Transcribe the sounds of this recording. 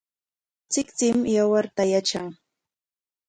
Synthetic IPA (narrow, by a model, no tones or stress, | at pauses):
t͡sɪkt͡sɪmjawaɾt̪ajat͡ʃaŋ